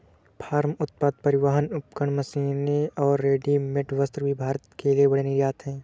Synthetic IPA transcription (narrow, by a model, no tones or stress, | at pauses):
pʰaːɾmʊt̪̚paːd̪̚pɐɾɪʋaːɦənʊp̚kəɳ̃mɐsiːneɔːɾːeːɖimɪʈʰʋəst̪ɾəbʱibʱaːɾət̪keliebɐɽ̤enɪɾjaːt̪ɦɛ̃ː